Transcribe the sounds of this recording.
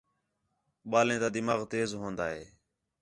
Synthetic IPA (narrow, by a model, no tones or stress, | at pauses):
ɓaːlẽːt̪aːd̪ɪmaːɣt̪eːzɦõːnd̪aːɦeː